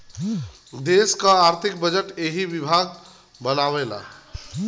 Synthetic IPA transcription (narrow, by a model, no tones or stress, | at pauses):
d̪eskəaɾt̪ʰik̚bəd͡ʒəʈeɦibibʱaɡ̚ | bənawela̰